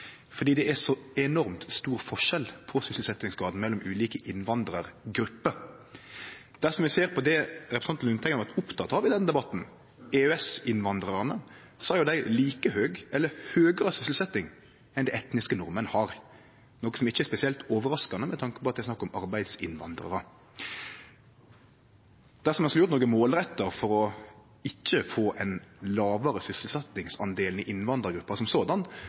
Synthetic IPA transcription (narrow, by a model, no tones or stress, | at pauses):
fɔɖ̪iːd̪ɛæʂɔɛnɔɾmt̪st̪uːɾfɔʂɛlpʰɔsʏsl̩sɛt̪ːɪŋsɡɑːd̪n̩mɛlːɔmʉːliːkəʔɪnʋɑnd̪ɾəɾɡɾʉpːə | d̪̥æʁʂɔmʋɛseːɾpʰɔd̪ɛɾɛpɾɛsɑnt̪nʉnt̪ʰɛknʋɑt̪ʊpt̪ʰɑt̪ɑʋɪd̪ɛnd̪ɛbɑt̪n̩ | ɛøɛsɪnʋɑnd̪ɾɑɾnə | sɔæɾjʊd̪æɪliːkəhøːɡʔɛlːəhøːɡəɾəsʏslsɛt̪ːɪŋ | ɛnd̪ɛɪɛt̪nɪskənɔɾmənəhɑɾ | noːkːəsɔmɪçːəɛspɛsɪɛlt̪oːʋəɾɑskɑnəmɛt̪ʰɑŋkə̥pʰɔːt̪d̪æɪsnɑkːɔmɑɾbæɪd̪sɪ̰nʋɑ̰nd̪ɾə̰ɾə | d̪̥æʁsɔmɛnsklʊɾt̪noːɡəmoːlɾɛt̪ːəɾfɔɾɔ | ɪçːəfoːʔɛnlɑːʋəɾəsʏsəlsɛt̪nɪŋsɑ̰nd̪eːlnɪʔɪnʋɑnd̪əɾɡɾʉpːɑsɔmsoːd̪ɑn